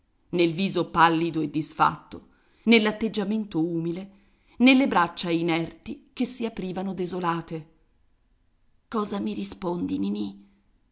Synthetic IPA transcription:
nelviːzopalːid̪oed̪ːisfa̰t̪ːo | nelːat̪ːed͡ʒːament̪ouːmile | nelːebɾat͡ʃːainɛrt̪ik̟esːiapɾiːvanod̪ezolaːt̪e | kɔːzamiɾispond̪inini

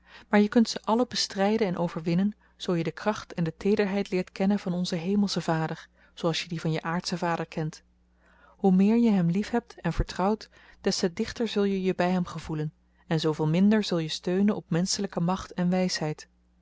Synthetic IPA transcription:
maːɹjəkɵntsəʔɑləbəstrɛjdənɛnʔowvəɹʋɪnən | z̥owjədəkrɑχtɛndətejdəɹɦɛjtlɪːɹtkɛnənvɑnɔnzəɦejməlˠsəvaːdəɹ | z̥owɑlˠsjədivɑnjəʔaːɹtsəvaːdəɹkɛnt | ɦumɪːɹjəɦɛmlifɦɛp̚tɛnvəɹtrɑwt | d̥ɛstɛdɪχtəɹzɵlˠjəjəbɛjɦɛmχəvulən | ɛnzowvɪːlˠmɪndəɹzɵlˠjəstøɥnənɔp̚mɛnsələkəmɑχtɛnʋɛjsɦɛjt

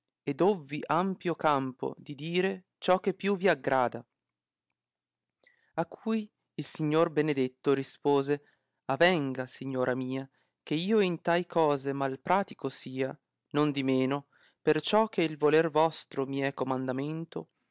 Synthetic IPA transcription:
ed̪ovːiʔampjokampo̰d̪id̪iːɾe | t͡ʃɔkːepːjuviaɡɾaːd̪a | akʰːuj | ilsiɲːorbened̪et̪ːoɾispoːze | avɛŋɡasiɲːoːɾʔamiːa | k̟eiːoint̪ajkʰɔːzemalpɾʔaːt̪ikosiːa | nond̪imeːno | pert͡ʃɔk̟ʰːeilvolervɔst̪ɾomiɛkomand̪ament̪o

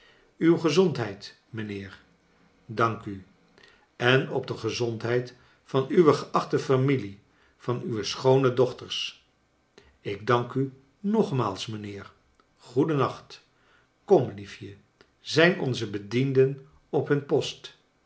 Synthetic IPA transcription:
ywχəzɔntɦɛjt | mənɪːɹ | dɑŋky | ɛnɔ̰b̚dəχəzɔntɦɛjt | fɑnyʋəχəʔɑχtəfamili | fɑnyʋəsχownədɔχtəɹs | ɪɡ̚dɑŋky | nɔχma̰ːlˠsmənɪːɹ | χudənɑχt | kɔmlifjə | zɛjnɔ̰nzəbədindən | ɔpɦɵnpɔst

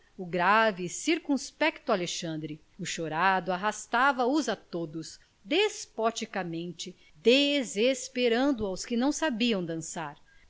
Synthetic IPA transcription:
ʊɡɾavɪsiɾkũspɛkt̪ʊaleʃɐ̃nd̪ɾɪ | ʊʃoɾad̪ʊaɦast̪avɐʊzat̪od̪ʊs | d̪espɔt͡ʃikamẽnt͡ʃɪ | d̪ezespeɾɐ̃nd̪ʊawskɪnɐ̃w̃sabiɐ̃w̃d̪ɐ̃saɾ

